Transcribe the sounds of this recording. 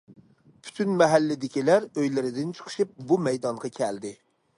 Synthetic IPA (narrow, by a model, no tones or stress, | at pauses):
pʰy̥t̪ʰynmɛɦælːɪd̪ɪkʲilæɾøjlɪɾɪd̪ɪnt͡ʃʰə̥χʰʊ̥ʃɨp̚bumɛjd̪ɑɴʁɑkʲʰɛld̪ɪ